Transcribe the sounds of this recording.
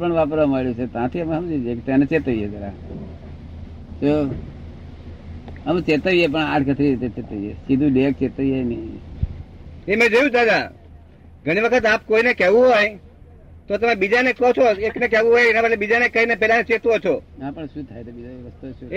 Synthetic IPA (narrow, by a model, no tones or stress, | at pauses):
pəɳʋap̬əɾʋaməɭjũt͡ʃʰet̪ãt̪ʰiəmɦəmod͡ʒekt̪enet͡ʃet̪əʋijed͡ʒ̪əɾa | so | əmt͡ʃet̪əʋijep̬əɳãːʈʰkət̪ʰɾiɾit̪et͡ʃet̪əʋijesid̪ʱũɖek̚t͡ʃet̪əijeni | emẽd͡ʒojũd̪ad̪a | ɡʱəɽ̃iʋəkʰət̪apkoinekɛʋũɦoj | t̪ot̪əmebid͡ʒanekot͡ʃʰoeknek̬ɛʋũɦojenabəʈlebid͡ʒanekəinepɛlanet͡ʃet̪ʋot͡ʃʰoãpəɳʃut̪ʰajt̪ʰebid͡ʒaʋəst̪uʃu